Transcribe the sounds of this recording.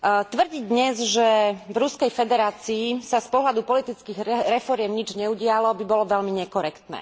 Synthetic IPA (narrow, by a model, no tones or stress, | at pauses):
t̪ʋr̩ɟid̪ɲɛzʒɛvɾuskɛjfɛd̪ɛɾaːt͡siːsaspɔɦlad̪upɔlit̪it͡skiɣɾɛfɔɾɪɛmɲid͡ʒɲɛuɟɪalɔbibɔlɔʋɛlmiɲɛkɔɾɛkt̪nɛ̰ː